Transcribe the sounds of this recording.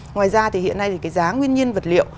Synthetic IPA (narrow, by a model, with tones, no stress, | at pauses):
ŋwaː˨˩jzaː˧t̪ʰi˨˩hḭ˧˨ənːa˧jt̪i˨˩kaː˨˦jzaː˨˦ŋwi˧ənɲi˧ənvə˨˩t̚lḭ˧˨əw